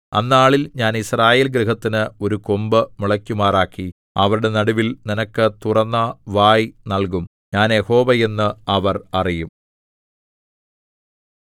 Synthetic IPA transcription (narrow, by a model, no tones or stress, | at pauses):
ɐ̰nːaːɭilɲaːnisraːjeːlɡɾiɦɐt̪ːinɨo̞ɾuko̞mbɨmuɭɐkʲːumaːraːkːi | ɐʋɐɾuɽe̞nɐɽuʋilninɐkːɨt̪urɐnːɐʋaːjnɐlk̬um | ɲaːnjeho̞ːʋɐje̞nːɨɐʋɐrɐrijum